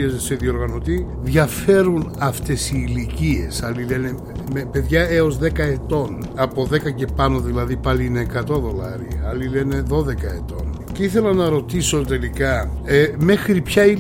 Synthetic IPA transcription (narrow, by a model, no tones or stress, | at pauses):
ezeseðio̞ɾɣɐno̞t̪i | ðʝɐfe̞ɾunɐft̪e̞siːlicie̞sɐlile̞ne̞ | mepe̞ðʝɐeo̞zðe̞kɐe̞t̪o̞n | ɐpo̞ðe̞kɐce̞pɐno̞ðilɐðipɐliineːkɐt̪o̞ðo̞lɐ̰ɾiɐlile̞ne̞ðo̞ðe̞kɐe̞t̪o̞n | ceiθe̞lɐnɐɾo̞t̪iso̞t̪e̞likɐ | me̞xɾipçɐi